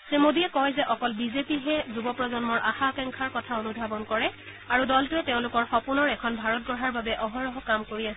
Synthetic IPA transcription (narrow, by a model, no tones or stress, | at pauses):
semodiɛkɔjzɛʔɔkɔlbizepiɦɛzubɔpɹɔzɔnmɔɹʔaxakɛŋkʰaɹkɔtʰaonubʱabɔnkɔɹɛ | aɹudɔltʊɛtɛʊ̃lʊkɔɹxɔpuɹnɔɹɛkʰɔnbʱaɹɔt̚ɡɔɦaɹbabɛʔɔɦɔɹɔɦɔkamkoɹias